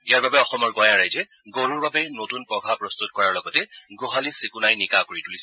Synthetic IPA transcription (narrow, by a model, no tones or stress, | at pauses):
ijaɹbabɛɔxɔmɔɹɡɔjãɹajzɛ | ɡoɹuɹbabɛnotunpɹɔɡʱapɹɔstut̚kɔɹaɹlɔɡɔtɛɡoɦalisekunajnikakoɹitulis